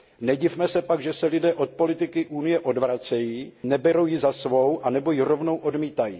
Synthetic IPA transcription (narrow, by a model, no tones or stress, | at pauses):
nɛɟɪvmɛsɛpaɡʒɛsɛlɪdɛːʔo̞t̪̚po̞lɪt̪ɪkɪʔuːnɪjɛʔo̞dvɾat͡sɛjiːnɛbɛɾo̞wjɪzasvo̞wʔanɛbo̞jɪɾo̞vno̞wʔo̞dmiːt̪ajḭː